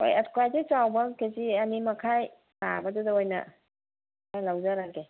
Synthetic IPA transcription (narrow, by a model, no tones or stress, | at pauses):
o̰jaskuajzet͡ʃawbɐkezianimɐkʰaj | na̰bɐdudɐojnɐ̰ | kʰajlawzaɾaɡe